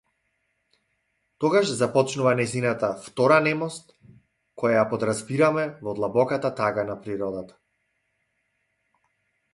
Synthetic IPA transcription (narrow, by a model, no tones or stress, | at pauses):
t̪ɔɡaʃzapɔt͡ʃnuvanajzinat̪aft̪ɔɾanɛmɔst̪̚ | kɔjajapɔd̪ɾazbiɾamɛvɔd̪lˠabɔkat̪at̪aɡanapɾiɾɔd̪at̪ḁ